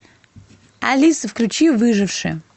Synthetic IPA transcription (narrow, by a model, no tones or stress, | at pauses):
alʲisfklʲut͡ɕivɨʐɨfʂɨ̰